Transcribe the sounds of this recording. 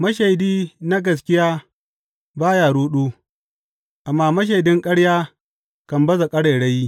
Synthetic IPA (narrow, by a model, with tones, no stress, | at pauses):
mɐ˦ʃe˨jdiː˦na˦ɡɐ˨s̬kʲɪ˦jaː˦ | baː˦jaː˨ɽuː˦ɗuː˦ | ʔa˨mːaː˦mɐ˦ʃ̬e˨jdɪ˦ŋkʼɐ˦ɽjaː˦ | kɐ˨mbɐ˦za˨kʼɐ˦ɽeː˨ɽɐ˦jiː˦